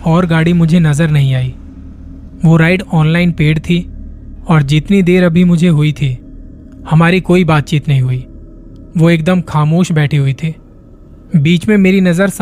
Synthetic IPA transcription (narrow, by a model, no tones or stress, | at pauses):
ɔːɾɡaːɽimʊd͡ʒʱenɐzəɾnɐɦĩaːiː | ʋoɾaːɪɖɔːnlaːɪnpeːɽt̪ʰi | ɔːɾd͡ʒɪt̪nid̪eːɾɐbʱimʊd͡ʒʱeɦʊit̪ʰiː | hɐmaːɾikoːibaːt̪̚t͡ʃiːt̪nɐɦĩɦʊiː | ʋoeːk̚d̪əmxaːmoːʃbɛːʈʰeɦuit̪ʰeː | biːt͡ʃmẽmeːɾinɐzəɾs